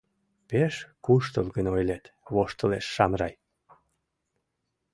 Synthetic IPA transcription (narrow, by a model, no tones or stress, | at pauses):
peʃkuʃt̪əlɣənojlet̪βoʃt̪əleʃːɑmrɑj